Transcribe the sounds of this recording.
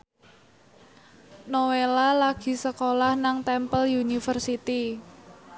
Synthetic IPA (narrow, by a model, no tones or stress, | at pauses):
nowelalaɡ̥i̤səkolahnaŋt̪ɛmpəljunifərsit̪i